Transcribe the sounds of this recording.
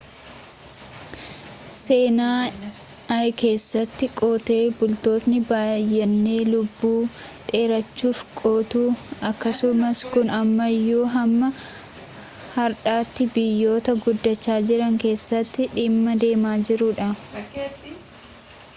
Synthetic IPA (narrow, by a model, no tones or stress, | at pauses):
se̞ːnaː | ɐjke̞ːsːɐt̪ːɪkʼoːt̪e̞ːbʊlt̪o̞ːt̪nɪbaːjːɛnːe̞ːlʊbːuː | ᶑe̞ːɾɐt͡ʃːuːfkʼoːt̪uːɐkːɐsʊmɐskʊnɐmːɐjːoːɦɐmːɐ | hɐɾᶑaːt̪ːɪbɪjːo̞ːt̪ɐɡʊd̪ːɐt͡ʃːaːd͡ʒɪɾɐŋke̞ːsːɐt̪ːɪᶑɪmːɐd̪e̞ːmaːd͡ʒɪɾʊᶑɐ